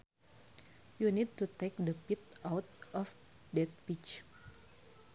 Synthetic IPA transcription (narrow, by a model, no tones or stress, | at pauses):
junid̚t̪ut̪ek̚dəpit̪̚awt̪̚ʔɔf | dɛt̪̚pit͡ʃ